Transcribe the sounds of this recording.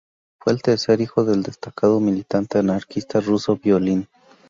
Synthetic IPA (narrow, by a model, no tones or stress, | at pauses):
fweːlt̪eɾseɾixoðeld̪est̪akaðomilit̪ant̪eanaɾkist̪arusobjolin